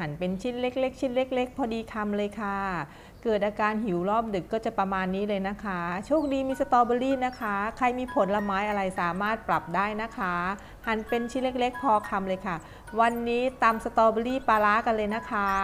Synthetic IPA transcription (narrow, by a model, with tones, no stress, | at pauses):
ha˩˦npe˧nt͡ɕʰi˥˩t̪̚le˦˥k̚le˦˥k̚t͡ɕʰiː˥˩n̚le˦˥k̚le˦˥k̚pʰɔː˧diː˧kʰa˧mlɤː˧jkʰa˥˩ | kɤː˨˩t̪̚ʔaː˧kaː˧nɦi˩˦wlɔː˥˩p̚dɯ˨˩kːɔː˥˩t͡ɕa˨˩pɾa˧maː˧nːiː˦˥lɤː˧jna˦˥kʰa˦˥t͡ɕʰuː˥˩əŋ̚diː˧miː˧sa˧t̪ɔː˧bɔ˧liː˥˩na˦˥kʰa˦˥kʰa˧jmiː˧pʰo˨˩˦nla˧maː˦˥jʔa˧ɾa˧jsaː˩˦maː˥˩t̪̚pɾa˨˩p̚daː˥˩jna˦˥kʰa˦˥ | ha˩˦npe˧nt͡ɕʰiː˥˩nle˦˥k̚le˦˥k̚pʰɔː˧kʰa˧mlɤː˧jkʰa˥˩ | wa˧nːiː˦˥t̪aː˧msa˧t̪ɔː˧bɔː˧liː˥˩paː˧laː˦˥ka˧nlɤː˧jna˦˥kʰa˦˥